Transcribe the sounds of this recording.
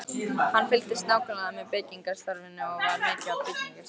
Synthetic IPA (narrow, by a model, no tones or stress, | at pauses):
hanːfɪl̥t̪ɪst̪naːwkʰœnaðamɛðpejciŋkaɾ̥st̪ɔɾvɪnːɪɔvaɾmɛːcɪapʰejciŋkaɾ̥